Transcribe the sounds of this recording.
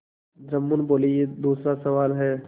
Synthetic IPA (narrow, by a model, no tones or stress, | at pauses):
d͡ʒɐmːunboːlijed̪uːsɾasɐʋaːlɦɛː